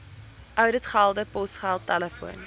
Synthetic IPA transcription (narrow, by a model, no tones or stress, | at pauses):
ʔœwdətχælˠdəpɔsχælˠtæləfuən